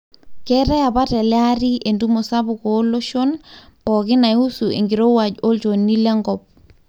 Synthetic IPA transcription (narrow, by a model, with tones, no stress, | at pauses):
kɛ˦ɾɛ˦ja˨pa˦tɛ˨lja˦ɾi˦ʔe˨ndu˦mo˨sa˦bʊ˨ko˨˦lo˦ʃo˦nɔ˨kɪ˦na˨˦u˦su˨ḛ˨ŋɡi˨ɾo˦wa˨d͡ʒo˦lt͡ʃonːi˦lɛ˦ŋɡɔp̚